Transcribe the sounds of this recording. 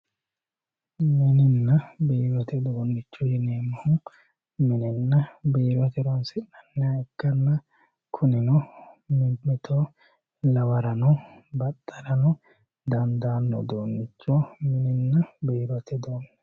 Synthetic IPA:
mɪnɪnːɐbiːɾɔt̪ɛd̪oːnːɪt͡ʃːɔjɪneːmːɐhʊn | mɪnɪnːɐbiːɾɔt̪ɛɾonsɪnɐnːɛaɛkːɐnːɐ | kʰʊnɪnɔmmɪt̪ʰo | lɐwɐɾɐnɔbɐt̪ʼːɐɾɐnɔ | d̪ɐnd̪aːnːɔ̰d̪oːnːɪt͡ʃːɔmɪnɪnːɐbiːɾɔt̪ɛd̪oːnː

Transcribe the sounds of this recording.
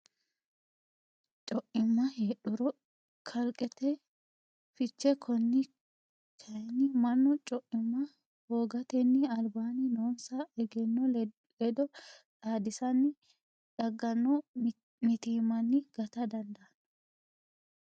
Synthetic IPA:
t͡ʃʼɔʔɪmːɐheːɗʊɾɔ | kʰɐlkʼɛt̪ɛ | fɪt͡ʃːɛkʰɔnːɪ | kʰɐjɛnɪmɐnːɔt͡ʃʼɔʔɪmːɐ | hoːɡɐt̪ɛnːɪɐlbaːnɪnoːnsɐɛɡɛnːɔ | lɛd̪ɔᶑaːd̪ɪsɐnːɪ | ᶑɐɡːɐnːɔ | mɪt̪iːmɐnːɪɡ̥ɐt̪ɐd̪ɐnd̪ɐɐnɐ

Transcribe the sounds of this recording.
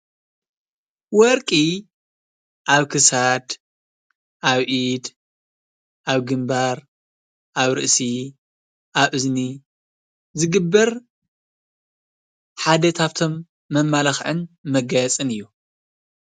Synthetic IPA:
wɔɾkʼi | ʔaβkʰɨsad̪ | ʔaβʔid̪ | ʔaβɡɨmbaɾ | ʔaβɾɨʔsi | ʔaβʔɨzni | zɨɡɨbːɐɾ | ħad̪ɐt̪ʰaβt̪ʰo̞mː | ɐmːalɐxʕɨnmɐɡɐjɐt͡sʼɨnɨjːu

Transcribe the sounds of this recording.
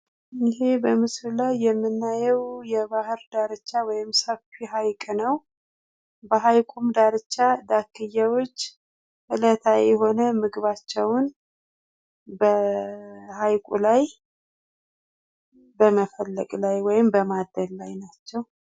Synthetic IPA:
ɪɦe̞bəmɨslulajːɛmːɨnːajɛwjɛbahɨɾd̪aɾɨt͡ʃːawɔjɪmsəfiɦajkʼnəw | bəɦajkʷʼumd̪aɾɨt͡ʃːad̪akʰːɨjːawot͡ʃː | ʔɨlət̪ʰajɛɦo̞nəmɨɡɨβat͡ʃːɛwn | bə | hajkʷʼṵlaj | bəməfəlːəkʼlajwɔjɪmbəmad̪ːəllajnat͡ʃːɛw

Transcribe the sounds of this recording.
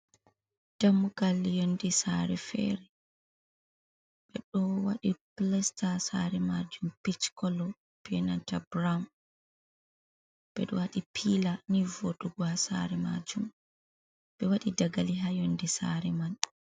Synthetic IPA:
d̥amːuɡalːijondisaɾɛfɛ̰ɾɛ | ɓ̥ɛɗɔwa̰ɗiplɛstasaɾɛmad͡ʒumpit͡ʃkɔlɔ | pɛnantabɾam | b̥ɛ̰ɗɔwaɗipʰilanivoɗuɡwasa̰ɾɛma̰d͡ʒum | ɓɛwaɗidaɡaliɦajondisa̰ɾɛman

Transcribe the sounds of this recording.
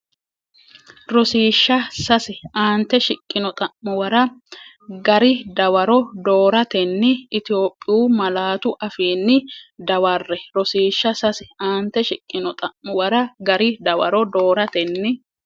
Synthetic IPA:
ɾɔsiːʃːɐsɐsɪʔaːnt̪ːɛʃɪkʼːɪnɔt̪ʼɐʔmʊwɐɾɐ | ɡɐɾɪd̪ɐwɐɾɔd̪o̞ːɾɐt̪ɛnːɪɪt̪ɪo̞ːpʼːɪjuːmɐlaːt̪ʊʔɐfiːnːɪd̪ɐwɐrːɛɾɔsiːʃːɐsɐsɪaːnt̪ːɛʃɪkʼːɪnɔt̪ʼɐʔmʊwɐɾɐɡɐɾɪd̪ɐwɐ̰ɾɔd̪o̞ːɾɐt̪ɛnːɪ

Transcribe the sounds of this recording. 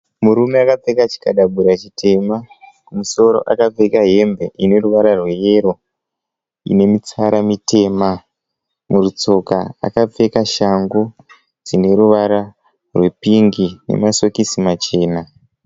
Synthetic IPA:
muɾume̞akap͡fe̞kat͡ʃi̥kaɗaɓuɾat͡ʃitʰe̞makumuso̞ɾo̞̰ʔakap͡fekaɦe̞mbe̞ʔine̞ɾuʋaɾarwe̞je̞ɾo̞ | ḭne̞mit͡saɾamite̞ːma | murut͡so̞kaa̰kap͡fe̞kaʃaŋɡu | d͡zine̞ɾuʋaɾa | rwe̞piŋɡinḛmaso̞kisimat͡ʃe̞ːna

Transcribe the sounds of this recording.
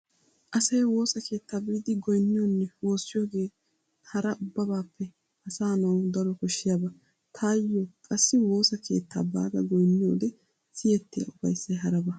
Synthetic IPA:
ʔɐsɐjwo̞ːsɐke̞ːt̪ːaːbɪd̪ɪɡɔjnːɪjɔnːɛwo̞ːsːɪjoːɡe̞ː | hɐɾɐʔʊbːɐbaːpːɛ | hɐsaːnɐwd̪ɐɾɔkɔʃːɪjabɐ | t̪ʰaːjːɔkʼɐsːɪwo̞ːsɐkʰe̞̰ːt̪ːa̰ːba̰ːɡɐ̰ɡɔjnːɪjo̰ːd̪ɛ | sɪjɛt̪ːɪja̰ʊbɐjsːɐjɦɐɾɐbɐ

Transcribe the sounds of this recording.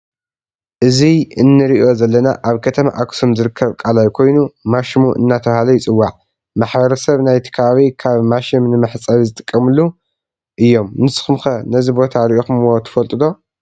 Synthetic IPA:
ʔɨziɨnːɨɾiʔo̞zɐlːɐna̰ʔaβkʰɐt̪ʰɐma̰ʔakʰsumzɨɾɨkʰːɐβkʼalajkʰo̞jnumaʃimuʔɨ̰nːat̪ʰɐβahalɐjɪt͡sʼɨwːaʕ | maħbɐɾɐsɐβnajt̪ʰi̥kʰɐβaβikʰaβmaʃimnɨmɨħt͡sʼaβizɨt̪ʼɨ̥kʼːɐmɨlːu | ʔɨjːo̞mnɨsɨ̥xɨmxɐnɐzibo̞t̪ʰaɾiʔo̞xɨmwot̪ʰɨ̥fɐlt̪ʼɨd̪o̞

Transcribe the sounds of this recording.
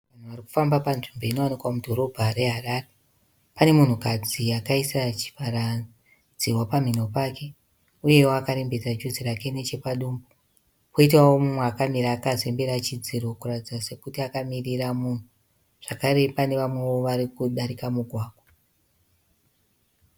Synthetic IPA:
ʋan̤uʋariku̥fambapanʐimbe̞ino̞anikwamudʱo̞ɾo̞bʱaɾe̞ɦarare | pane̞mun̤ukad͡ziakaisat͡ʃi̥faɾa | d͡ziwapam̤ino̞pake̞ | uje̞woakaɾe̞mbe̞tad͡ʒuzirake̞ne̞t͡ʃe̞paɗuːmbo | koitwawomumweakamiɾaːkaze̞mbeɾat͡ʃid͡ziɾo̞kuratid͡zase̞kutiakamiriramun̤u | ʐ̥akaɾe̞pane̞ʋamwe̞wo̞ʋaɾikuɗaɾikamuɡʱwaːɡʱwa

